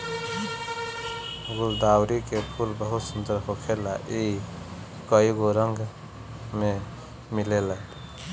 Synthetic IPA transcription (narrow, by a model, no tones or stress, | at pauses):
ɡʊld̪awɾikepʰulbəɦut̪sund̪əɾɦokʰelaʔi | kəiɡoɾəŋɡ | me | milela